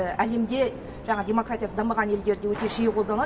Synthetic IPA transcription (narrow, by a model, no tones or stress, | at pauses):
æle̞md̪e̞ | ʒɑɴɑdʲe̞mo̞kratʲijasəd̪ɑməʁɑne̞ld̪e̞ɾd̪e̞wɵt̪e̞ʃijqʰod̪ɑnɑ